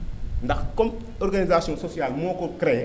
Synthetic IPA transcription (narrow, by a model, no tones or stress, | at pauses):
ndakkom | oɾɡanizasiɔ̃sosialmokokɾe